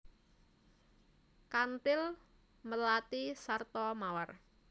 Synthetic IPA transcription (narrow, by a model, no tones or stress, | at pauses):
kant̪ɪl | məlat̪isart̪ɔmawar